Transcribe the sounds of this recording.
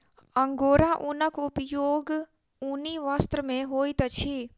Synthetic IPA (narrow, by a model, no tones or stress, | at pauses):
əŋɡoːɾãʔunəkʰʊpjoːɡ | uniʋast̪ɾəmẽɦoːit̪ət͡ʃʰi